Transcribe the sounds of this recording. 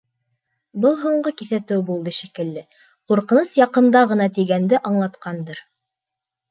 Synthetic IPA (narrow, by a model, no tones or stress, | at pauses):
bɤlˠɦuɴɢɤkiθæt̪ɘwbulˠd̪ɤʃikɘ̆lːɘ | quɾqɤ̆nɤsjɑqɤ̆nd̪ɑʁɤ̆nɑt̪iɡænd̪ɘʔɑɴlˠɑt̪qɑnd̪ɤɾ